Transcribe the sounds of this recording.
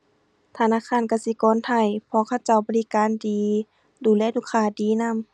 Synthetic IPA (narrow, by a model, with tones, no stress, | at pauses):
t̪ʰa˧˨naː˧˨kʰaː˧˥˨nka˧˩si˧˦kɔː˧˦˨nt̪ʰa˧˩˨jpʰɔ˧˨kʰa˧˨wt͡ɕa˧˩wbɔː˧˦li˧˦˨kaː˨ndiː˨ | duː˨˦lɛː˧˥˨duː˧˨kʰaː˧˩˨diː˨˦na˧˥˨m